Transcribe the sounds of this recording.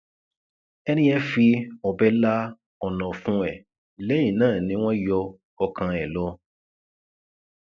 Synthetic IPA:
ɛ˧ñĩ˦ɛ˧fi˧ɔ˨bɛ˧˦la˦ | ɔ˨nɔ̃˨fũ˦ɛ˦˨ | lɛ˨˦jĩ˦˨nãː˦˨nĩ˧˦w̃ɔ̃˦jɔ˧ | ɔ˧kã˧ɛ˨lɔ˧˦

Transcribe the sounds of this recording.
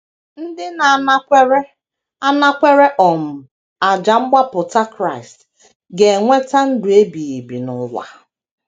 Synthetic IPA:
n̩˦dɪ˦na˨n˦kʷɾe˦ | a˦na˦kʷe˦ɾe˦ʔɔ˨m̩˨ | a˨d͡ʒa˨ŋ͡m̩˦ɡ͡ba˦pʊ˨ta˦kɾa˦˨ɪ˨st | ɡe˨ŋʷe˦ta˦n̩˦dʊ˨e˦bi˨i˨bi˨nʊ˨la̰˨

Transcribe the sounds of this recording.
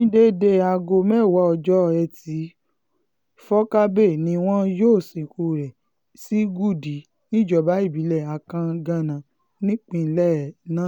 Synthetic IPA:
nĩ˦de˦de˦a˧ɡo˧mɛ̃˦˨wɔ˨˦ɔ˧d͡ʒɔ˦˧ɛ˧ti˨˦ | fɔ˦ka˦be˦˨nĩ˧w̃ɔ̃˦joː˦˨sĩ˨ku˧˨ɾɛ˨ | si˦ɡu˦˨di˨˦ | nĩ˦˨d͡ʒɔ˦˨ba˨˦i˦˨bi˨˦lɛ˦˨a˨kã˧ɡã˧˨nã˨ | nĩ˦k͡pĩ˧n̩˦lɛ˦˨nã˦

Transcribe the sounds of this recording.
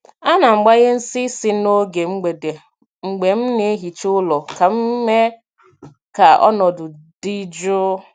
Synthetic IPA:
a˦na˨ŋ͡m̩˨ɡ͡ba˦ɣe˦n̩˦si˦si˦no˦ɡe˨ŋ͡m̩˦ɡ͡be˨de˨ | ŋ͡m̩˨ɡ͡be˨m̩˦ne˦ɦi˨t͡ʃʊ˦lɔ˨ka˨m̩˦me˦ | ka˨ɔ̰˦nɔ˨dʊ˨di˦d͡ʒʊ˦

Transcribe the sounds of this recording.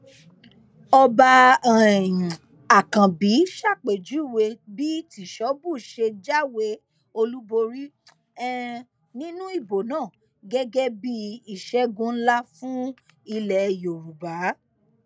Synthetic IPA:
ɔ˧ba˧˨ | ĩ˨ | a˨kã˨bi˨˦ʃa˦˨k͡pe˨d͡ʒu˨˦˨we˧bi˦ti˨ʃɔ˨˦bu˦˨ʃe˧d͡ʒa˦we˧ | o˧lu˦bo˧ɾi˦ | ɛ˦ | nĩ˦nũ˦i˦˨bo˨nãː˦˨ | ɡɛ˦ɡɛ˦bi˦i˦˨ʃɛ˦ɡũ˧˦n̩˦la˦fũ˦ | i˧lɛ˨jo˨ɾu˨ba˨˦

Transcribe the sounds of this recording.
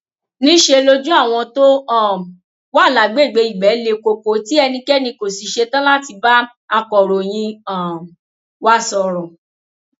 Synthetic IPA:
nĩ˦ʃe˧lo˦d͡ʒũ˦a˦˨w̃ɔ̃˧to˦ɔ̃˦˨ | wa˦˨la˨ɡ͡be˦˨ɡ͡be˧˦i˨ɡ͡bɛ˨˦le˧ko˨ko˨˦ti˦ɛ˧nĩ˧kɛ˦nĩ˧ko˨si˨ʃe˧tã˦la˦ti˧ba˦ | a˧kɔ˨ɾo˨j̃ĩ˧ã˨ | wa˧˦sɔ˨ɾɔ˨

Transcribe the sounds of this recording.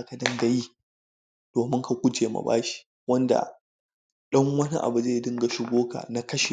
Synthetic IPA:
ka˨dɐ˦nɡa˦ji˦ | d̥oː˨mɪ˦ŋka˨kʷʊ˦t͡ʃeː˨ma̰˨ba̰ː˦ʃi̥˦ | wɐ˦nda̰˨ | ɗɐ˦ŋwɐ˦ni˦ʔa̰˨bu˨ze˦˨dɪ˦ŋɡa˨ʃɪ˨ɡʷoː˦ka̰˨na˦kɐ˦ʃe˨

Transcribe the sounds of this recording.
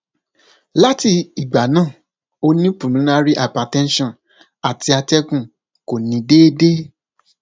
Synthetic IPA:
la˦ti˧i˨ɡ͡ba˨nãː˦˨ | o˧nĩ˦pũ˨lũ˨˦na˧ɾi˦ʔa˨pa˨tɛ̃˦n˦ʃɔ̃˦˨ | a˨ti˧a˧tɛ˦kũ˦˨ | ko˨nĩ˨˦deː˦de˦

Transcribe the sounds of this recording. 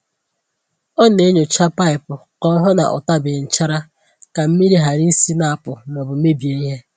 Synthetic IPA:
ɔ˦ne˨˦ɲo˨t͡ʃa˦pa˦ɪ˨pʊ˨kɔ˦ɦʊ˦na̰˨ʔʊ̰˨ta˦bɪ˨n̩˨t͡ʃa˦ɾa˦ | ka˨m̩˦mi˦ɾi˦ɦa˨ɾi˦si˦na˨a˨pʊ˨nɔ˨bʊ˨˦e˦bi˨e˨i˦ɦe˦

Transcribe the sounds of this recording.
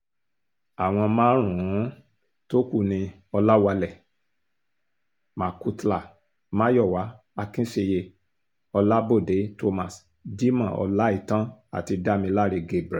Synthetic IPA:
a˨w̃ɔ̃˧mãː˦ɾ̃ũ˨ũ˨˦ | to˦ku˦˨nĩ˧ | ɔ˧la˦wa˧lɛ˦˨ | mã˨ku˧tla˨ | mã˦jɔ˦˨wa˨˦ | a˧kĩ˦ʃe˧je˧ | ɔ˧la˦bo˦˨de˨˦to˧mã˨s | di˦mã˦˨ɔ̰˧la˦i˦˨tã˦a̰˨ti˧da˦mĩ˧la˦ɾe˧ɡe˦bɾɛ˨

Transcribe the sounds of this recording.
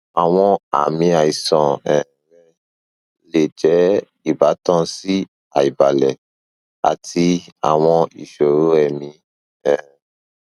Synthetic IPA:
a˨w̃ɔ̃˧a̰˨mĩ˧a˨i˨sɔ̃˨ɛ̃˨ɾɛ˦ | le˨d͡ʒɛ˨˦ | i˨ba˨˦tɔ̃˧si˦ | a˨i˨ba˨lɛ˨ | a̰˨ti˧a̰˨w̃ɔ̃˧ḭ˨ʃo˨ɾo˦ɛ˨mĩ˧ | ɛ̃˨

